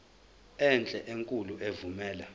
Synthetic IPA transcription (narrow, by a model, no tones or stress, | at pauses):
ɛnt͡ɬʼɛʔeŋkʼuluʔevumɛːla